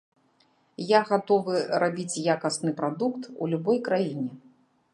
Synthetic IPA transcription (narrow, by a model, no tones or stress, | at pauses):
jaɣat̪ɔvɨrabʲit͡sʲjakɐsnɨpɾad̪ukt̪ulʲubɔjkɾajinʲɛ